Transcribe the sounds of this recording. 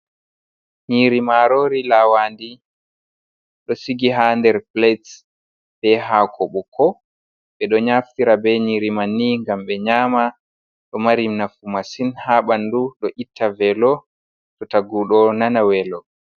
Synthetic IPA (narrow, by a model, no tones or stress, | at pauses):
ɲiɾimaɾoːɾilawandi | ɗɔsiɡiɦandɛɾplet | b̥ɛɦakʰɔɓɔkʰɔ | ɓɛɗɔɲaftiɾabɛɲiːɾimanːiŋɡamɓɛɲaːma | ɗɔmaɾimnafumasinhaɓanduɗɔʔitʰːavɛlɔ | tɔtaɡuɗɔnanawɛlɔ